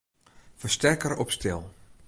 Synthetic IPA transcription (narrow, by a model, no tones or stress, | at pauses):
fəɹstɛrkəɾɔpstɪlˠ